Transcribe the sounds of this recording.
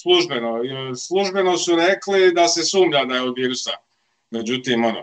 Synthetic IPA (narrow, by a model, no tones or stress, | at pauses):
slˠuʒbenoslˠuʒbe̞nosuɾeklid̪ase̞suːmʎad̪ajeod̪ʋiːɾusa | me̞d͡ʑut̪iːmo̞no̰